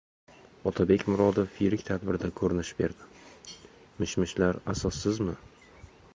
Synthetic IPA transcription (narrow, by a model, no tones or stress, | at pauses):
ɒt̪ʰabekʲmʊɾɒd̪ɪfiɾɪkʲt̪ʰad̪bɪɾd̪akʰɵɾɪnɪʃbe̞̰ɾd̪ɪ | mɪʃmɪʃlaɾasɒsːɪzmɪ